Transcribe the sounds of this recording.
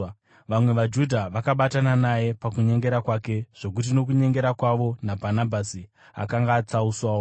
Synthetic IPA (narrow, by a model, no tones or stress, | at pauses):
ʋamwe̞ʋad͡ʒudʱaʋakaɓatananaje̞pakuɲe̞ŋɡe̞ɾakwake̞ʐ̥o̞k̬ut̬ino̞k̬uɲe̞ŋɡeɾakwaʋo̞nabʱanabʱasi | a̰kaŋɡaːt͡sauswaːwo